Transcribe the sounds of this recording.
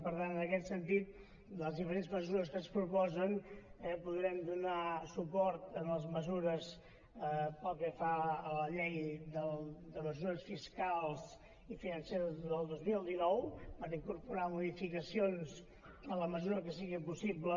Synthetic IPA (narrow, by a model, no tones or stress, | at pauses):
pəɾt̪anənəkɛt̪sənt̪it̪̚ | əzðifəɾenzməzuɾəskəspɾupɔzənɛpuðɾɛmd̪unasupɔɾt̪ənləzməzuɾəs | əpɔt̪̚ɛfaələʎejd̪əld̪əməzuɾəsfiskalˠz | ifinənseɾəzðəlˠd̪ozmilˠd̪inɔwpəɾiŋkuɾpuɾamuðifikəsions | ələməzuɾəkəsiɣipusiblə